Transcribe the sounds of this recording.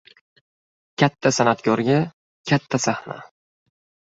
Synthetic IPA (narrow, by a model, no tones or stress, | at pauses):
kʲʰat̪ʰːasanat̪kʲɒɾɡʲa | kʲʰat̪ʰːasahna̰